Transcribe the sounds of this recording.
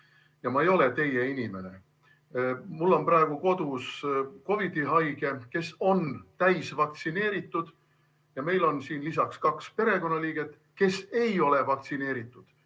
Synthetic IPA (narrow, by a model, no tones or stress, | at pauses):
jɑmɑejo̞le̞t̪e̞je̞inʲime̞ne̞̰ | mulːo̞nprɑe̞ɡ̥uko̞d̪usko̞vid̪iɦɑjɡ̥e̞ke̞so̞nt̪æjsvɑk̚t̪sine̞ːɾit̪ːˑud̪̥ | jɑme̞jlo̞nsiːnlis̬ɑkskɑkspe̞ɾe̞ko̞nːɑliːɡ̥e̞t̪ːˑ | ke̞se̞jo̞le̞vɑkt̪sine̞ːɾit̪ːˑud̪̥